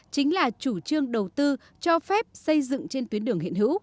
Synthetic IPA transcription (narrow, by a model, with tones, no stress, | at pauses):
t͡ɕï˨˦ŋ̟laː˨˩t͡ɕu˧˩t͡ɕɨ˧əŋɗə˨˩wt̪ɨ˧ | t͡ɕɔ˧fɛ˦˥p̚sə˧jzɨ̰˧˨ŋt͡ɕe˧nt̪wi˨˦ənɗɨ˧˩əŋhḭ˧˨ənɦɨ̰˧˥w